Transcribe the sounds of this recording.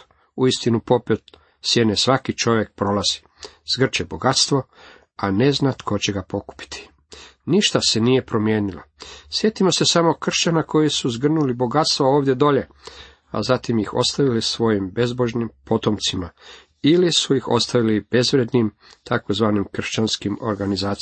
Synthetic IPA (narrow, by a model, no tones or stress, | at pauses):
uist̪inupo̞pet̪ | sjenesʋakit͡ʃo̞ʋje̞k̚pɾo̞laz̥i̥ | z̥ɡr̩t͡ʃebo̞ɡat̪st̪ʋo̞ | ane̞znat̪kʰo̞t͡ɕeɡapo̞ku̥pi̥t̪ʰi̥ | niʃt̪ase̞nije̞pɾo̞mjeːnilo̰sje̞t̪imo̞se̞samo̞kr̩ʃt͡ɕanako̞jisuzɡr̩nulibo̞ɡat̪st̪ʋaoːʋd̪je̞d̪o̞ʎe̞ | a̰zat̪imjixo̞̰st̪aʋilisʋo̞jimbe̞zbo̞ʒnimpo̞t̪omt̪sima | ilisujixo̞̰st̪aʋilib̥e̞zʋɾed̪nim | t̪ʰako̞zʋaːnimkr̩ʃt͡ɕanskimo̞̰ɾɡanizaːt̪